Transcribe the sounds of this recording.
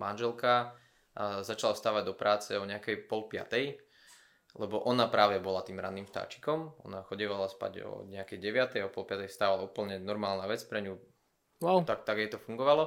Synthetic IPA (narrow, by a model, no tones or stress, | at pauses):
manʒɛlˠka | zat͡ʃalast̪aːʋaɟd̪ɔpɾaːt͡sɛɔɲɛakɛjpɔlpɪa̰t̪ɛj | lɛbɔʔɔnapɾaːʋɛbɔlat̪iːmɾa̰nːiːmʃt̪a̰ːt͡ʃi̥kɔmɔ̰naxɔɟɛʋalaspa̰ɟɔ̰ɲɛakɛjɟɛʋɪat̪ɛjɔpɔlˠpɪat̪ɛjst̪aːʋalauːpl̩ɲɛnɔɾmaːlnaʋɛt͡spɾɛɲu | wawt̪akt̪aɡjɛt̪ɔfuŋɡɔʋalɔ